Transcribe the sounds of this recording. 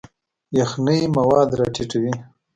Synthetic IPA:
jaxnəjmawɑd̪ɾɑʈiʈwi

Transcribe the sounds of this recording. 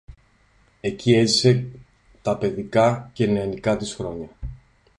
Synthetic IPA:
e̞cie̞zise̞ | t̪ɐpe̞ðikɐceneɐnikɐt̪isxɾo̞ɲɐ

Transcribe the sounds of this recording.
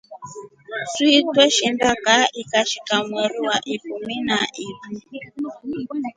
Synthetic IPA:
suitwɛʃimbakaikaʃikamwɛɾuwaʔikuminaʔiɾu

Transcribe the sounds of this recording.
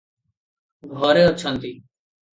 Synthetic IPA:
ɡʱoːɾeːot͡ʃʰə̃nt̪iː

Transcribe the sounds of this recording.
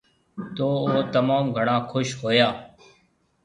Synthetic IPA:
t̪oːoːt̪əmaːmɡʱəɳãːkʰʊʃɦoːjaː

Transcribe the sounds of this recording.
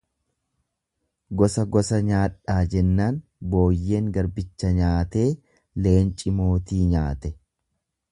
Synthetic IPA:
ɡɔsɐɡɔsɐɲaːᶑaːd͡ʒɛnːaːnbo̞ːjːe̞ːŋɡɐɾbɪt͡ʃːɐɲaːt̪e̞ː | le̞ːnt͡ʃʼɪmo̞ːt̪iːɲaːt̪ɛ

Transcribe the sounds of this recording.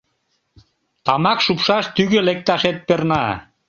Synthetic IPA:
t̪ɑmɑkʃupʃɑʃt̪yɣelek̚t̪ɑʃet̪̚pernɑ

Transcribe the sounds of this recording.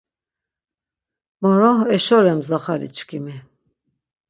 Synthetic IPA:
mɔɾɔɛʃɔɾɛmzaχaɾḭt͡ʃʰkʰimi

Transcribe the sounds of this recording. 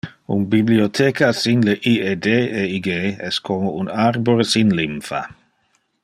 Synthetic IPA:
ṵnbibliotʰeːkʰasinleʔiedeːeiɡeːɛskʰomounarboɾesinlimfa̰

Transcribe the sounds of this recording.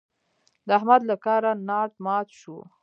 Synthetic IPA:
d̪əahmad̪lakɑɾanɑʈ̚mɑt̪ʃu

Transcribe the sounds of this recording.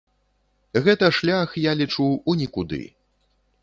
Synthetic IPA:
ɣɛt̪ɐʂlʲaxjalʲit͡ʂuunʲikud̪ɨ̰

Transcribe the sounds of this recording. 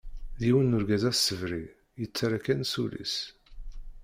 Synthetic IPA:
ðiwənːʊɾɡæzæssəvɾi | jət͡sːaɾakænsulḭs

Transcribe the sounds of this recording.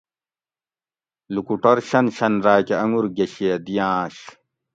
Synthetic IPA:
lukuʈɐɾɕɐnɕɐnɾaːkeɐŋuɾɡeɕed̪ijãːɕ

